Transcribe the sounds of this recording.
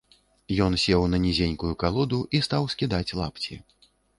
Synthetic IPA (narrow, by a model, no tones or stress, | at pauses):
jɔnsʲɛwnɐnʲɛzʲenʲkujukalˠɔd̪uʔist̪awsʲkʲid̪at͡sʲlˠa̰pt͡sʲi